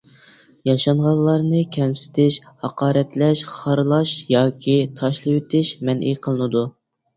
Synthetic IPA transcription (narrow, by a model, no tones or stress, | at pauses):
jɑʃɑɴʁɑllˠːɑɾnɨkʲʰɛmsɪ̥t̪ʰɪʃhɑqɑːɾɛt̪lɛʃχɑɾlˠɑʃjɑːkʲʰit̪ʰɑʃlˠɨwet̪ʰɪʃmɛnʔiqʰəlˠɨnɨd̪u